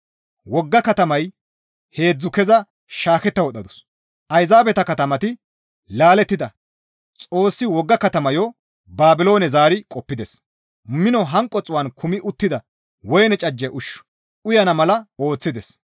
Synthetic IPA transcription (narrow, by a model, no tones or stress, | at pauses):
wɔɡːɐkɐt̪ɐmɐj | he̞ːd͡zːʊkɛzɐ | ʃaːkɛt̪ːɐwɔɗ̪ɐd̪ʊs | ʔɐjzaːbɛt̪ɐkɐt̪ɐmɐt̪ɪ | laːlɛt̪ːɪd̪ɐ | t͡sʼo̞ːsːɪwɔɡːɐkɐt̪ɐmɐjɔ | baːbɪlo̞ːnɛzaːɾɪkʼɔpːɪd̪ɛs | mɪnɔɦɐŋkʼːɔt͡sʼʊwɐːnkʰʊmɪʔʊt̪ːɪd̪ɐ | wɔjnɛt͡ʃʼɐd͡ʒːɛʔʊʃːʊ̥ | ʊjɐnɐmɐlɐo̞ːt͡sːɪd̪ɛs